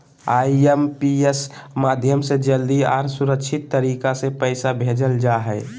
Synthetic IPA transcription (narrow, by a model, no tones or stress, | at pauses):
aːiempiesmaːd̪ʱjəmsed͡ʒəld̪iaːɾsʊɾəkʃʰɪt̪ːəɾiːkasepɛɪsabʱeːd͡ʒəld͡ʒaːɦɛː